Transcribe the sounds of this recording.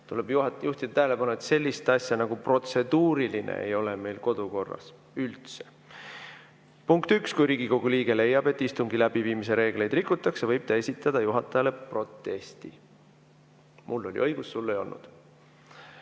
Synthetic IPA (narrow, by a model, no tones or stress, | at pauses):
t̪uleb̥jjuht̪id̪̥ɑt̪æɦæele̞pɑnuet̪se̞lʲːist̪ɑsʲjɑnɑɡ̥upro̞t̪se̞d̪̥uːɾilinʔḛḛjo̞leme̞jlko̞d̪̥uko̞rːɑ̰s | ylt̪se̥ | puŋkt̪ykskujɾiːɡiko̞ɡ̥uliːɡ̥e̞le̞jːɑb̥e̞t̪ːˑist̪uŋɡilæb̥iviːmise̞ɾe̞ːɡ̥le̞jd̪̥rikːˑut̪ːˑɑksevɤjb̥t̪ɑe̞sʲit̪ːˑɑd̪̥ɑjuɦɑt̪ːˑɑjɑle̞pro̞t̪ːˑe̞sʲt̪i | mulːo̞̰lʲḭʔɤ̞jɡ̥usːulːejo̞lnṵd̪̥